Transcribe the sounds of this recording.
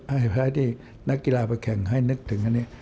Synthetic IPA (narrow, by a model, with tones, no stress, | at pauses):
ha˧˩˨pʰaː˧˩t̪ʰiː˧˨ | na˦˥kːi˧laː˧ba˧˦kʰɛ˨˩˦ŋɦa˥˩jnɯ˧˦˥k̚t̪ʰɯ˨˦ŋha˧nːiː˧˥˨